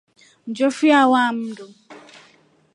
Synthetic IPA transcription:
n̩d͡ʒofiawam̩dʊ

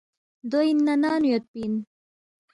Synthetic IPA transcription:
d̪oinːɐnaːnujot̪̚pin

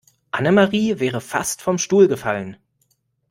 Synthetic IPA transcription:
ʔanəmaʁiːvɛːʁ̞əfa̰stfɔmʃtuːlɡəfalən

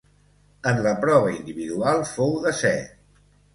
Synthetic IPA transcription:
ənləpɾɔβəind̪iβiðualˠfowðəsɛ

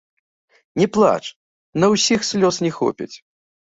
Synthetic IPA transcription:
nʲɛplˠa̰t͡ʂ | nɐwsʲixsʲlʲɔsnʲɛxɔ̰pʲḭt͡sʲ

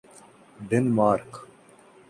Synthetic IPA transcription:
ɖenmaːɾk

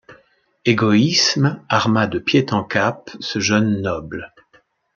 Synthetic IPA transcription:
eɡɔismaʁmad̪əpjet̪ɑ̃kapsəʒœnːɔbl

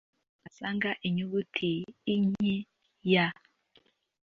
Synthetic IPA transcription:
asaŋɡaʔiɲuɡutʰiːɲe | ja

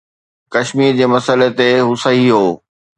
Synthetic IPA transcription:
kɐʃmiːɾd͡ʑeːmɐsəlet̪eɦʊsɐɦiɦoː

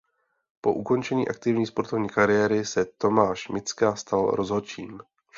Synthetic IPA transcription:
po̞̰ʔuko̞nt͡ʃɛɲiːʔakt̪ɪvɲiːspo̞ɾt̪o̞vɲiːkaɾɪjɛɾɪsɛt̪o̞maːʃmɪt͡skaːst̪alɾo̞zɦot͡ʃiːm

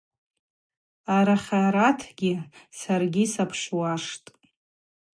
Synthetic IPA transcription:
aɾaχʲaɾatʰɡʲisarɡʲisapʰʂwaʂtʼ

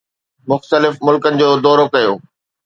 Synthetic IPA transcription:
mʊxt̪əlɪfmʊlkənɪ̆d͡ʑoːd̪ɔːɾokɐjoː

